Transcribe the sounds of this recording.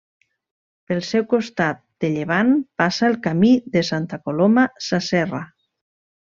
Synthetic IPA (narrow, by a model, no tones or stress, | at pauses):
pelˠsɛwkost̪at̪̚d̪̥eʎeβ̞anpasaelkamiðesant̪akolomasasɛra